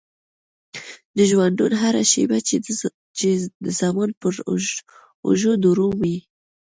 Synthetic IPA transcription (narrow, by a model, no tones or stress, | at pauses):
d̪əʒwand̪unɦaɾaʃḛba | t͡ʃed̪əzamɑnpəɾ | ṵʒod̪uɾuwi